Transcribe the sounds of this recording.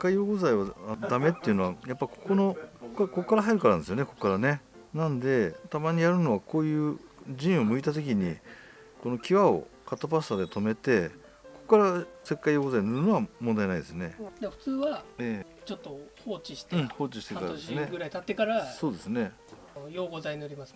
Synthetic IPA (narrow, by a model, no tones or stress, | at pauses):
ekːaijoːɡozaiβad̪ame̞t̪ːeiɯ̟no̞βajapːako̥konokokːko̞kkːaɾaɦaiɾɯ̟kaɾand̪esɨjo̞ne̞ko̞kːaɾane̞ | nãnd̪e̞t̪amaɲ̟ijaɾɯ̟no̞βako̞ːjɯ̟ːʑĩɰ̃o̞mɯ̟it̪at̪̬o̞k̬ʲiɲ̟i | ko̞no̞kʲiβao̞̰kat̪ːap̬asad̪e̞t̪o̞me̞t̪e̞ | ko̞kokːaɾase̞kːaijoːɡozainoɾɯ̟no̞βamond̪ajnaid̪e̞sɨne̞d̪eɸɯ̟̥t͡sɨːβaeːt͡ɕot̪ːohoːt͡ɕiɕi̥t̪ːho̞ːt͡ɕiɕi̥t̪e̞kaɾa̰desneɡɯ̟ɾait̪at̪ːekaɾaso̞ːd̪e̞sɨne̞ | joːɡozaiɲioɾʲimas